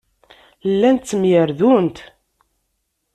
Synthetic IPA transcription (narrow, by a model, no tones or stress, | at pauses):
lːænt̪ːəmjəɾðunt̪